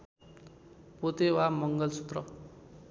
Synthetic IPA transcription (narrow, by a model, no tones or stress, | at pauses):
pot̪ewamʌŋɡʌlsʰut̪rʌ